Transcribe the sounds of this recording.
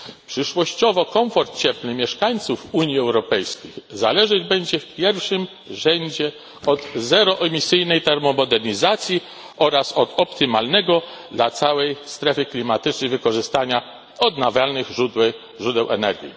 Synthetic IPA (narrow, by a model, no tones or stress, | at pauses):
pʂɘʂwɔɕt͡ɕɔvɔkɔɱfɔɾt̪̚t͡ɕɛpnɘmʲjɛʂkaɲt̪sufuɲjiɛwɾɔpɛjskʲixzalɛʐɘd͡ʑbɛɲd͡ʑɛfpʲjɛɾfʂɘm | ʐɛɲd͡ʑɛ | ɔd̪zɛɾɔʔɛmʲisɘjnɛjt̪ɛɾmɔmɔd̪ɛɾɲizat̪sʲji | ɔɾasɔt̪ɔpt̪ɘmalnɛɡɔ | d̪lat̪sawɛjst̪ɾɛfɘklʲimat̪ɘt͡ʂnɛjvɘkɔʐɘst̪aɲa | ɔd̪navʲjalnɘɣʐu | ʐud̪ɛwʔɛ̰nɛ̰ɾɡʲjḭ